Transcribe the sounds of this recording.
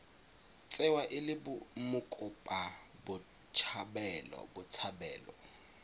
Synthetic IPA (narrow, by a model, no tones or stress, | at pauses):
t͡sʼɛwaʔɪlɪbʊmʊkʼʊpʼabʊ | t͡ʃʰabɛlɔ̰bʊt͡sʰabɛːlɔ̰